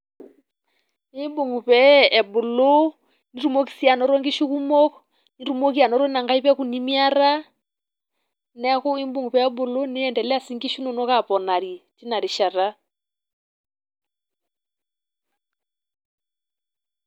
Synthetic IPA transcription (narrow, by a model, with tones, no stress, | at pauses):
i˦mbu˨ŋu˨pɛː˨bʊ˨lo˦ | ni˦ɾu˦mo˦ki̥˨si˦a˨nɔ˨ɾɔ˦ŋɡi˦ʃu˦ku˦mɔ˦kɔ | niɾu˦mo˦ki˦a˨nɔ˨ɾɔ˦na˨ŋɡa˦i˦βɛ˦ku˨ni˦mi˦a˦ɾa˦ | nɛ˦ko˦i˦mbu˦ŋɡu˨pɛ˨ɛ˦bʊ˨lo˦nɪ˦ɛ˨ndɛ˨lɛ˦a˦si˦ŋɡi˦ʃu˦nɔ˨nɔ˦ka˨pɔ˨na˨ɾi˨ti˦na˨ɾi˨ʃa˨ɾa˦